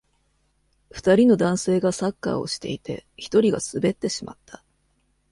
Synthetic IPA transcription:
ɸɯ̟̥t̪aɾʲino̞d̪ãɰ̃se̞ːɡasakːa̰ːo̞ɕi̥t̪e̞̰it̪e̞̰çi̥t̪o̞ɾʲiɡa̰sɨbe̞t̪ːe̞ɕima̰t̪ːa

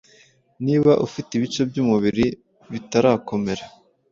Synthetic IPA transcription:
niːβaʔufitiβit͡ʃo̞bjuːmuβiɾi | βitaɾaːko̞me̞ɾa

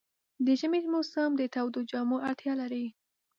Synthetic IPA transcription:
d̪əʒamemosamd̪ət̪awd̪od͡ʒɑmoʔaɽt̪jɑlaɾi

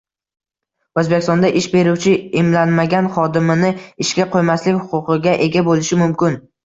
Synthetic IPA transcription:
ɵzbekʲɪ̥st̪ɒnd̪aʔɪʃbe̞ɾuwt͡ʃʰɪɪmlanmaɡʲanχɒd̪ɪmɪnɪɪʃkʲaqʰojmaslɪkʲhʊ̥qʊqɨɡʲaʔe̞ɡʲabolɪʃɪmʊmkʲɪn

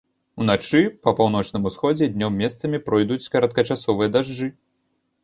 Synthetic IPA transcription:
un̪at͡ʂɨpɐpawn̪ɔt͡ʂnɨmusxɔd͡zʲɛd̪ʲnʲɔmːʲɛst̪sɐmʲipɾɔjd̪ut͡sʲkɐɾɐt̪̚kɐt͡ʂasɔvɨjɐd̪aʐd͡ʐɨ

